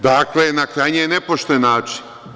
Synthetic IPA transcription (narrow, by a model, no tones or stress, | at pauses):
d̪aklenakɾajɲejenepoʃt̪oejenaːt͡ʃi̥n